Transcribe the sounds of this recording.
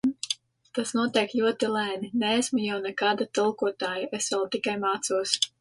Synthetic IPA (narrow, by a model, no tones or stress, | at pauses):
t̪asnuɔt̪iɛklʲuɔt̪ilæːnineːsmujawnɛkaːd̪at̪ɨlˠkuɔt̪aːjaʔesvɛlˠt̪ikajmaːt̪suɔs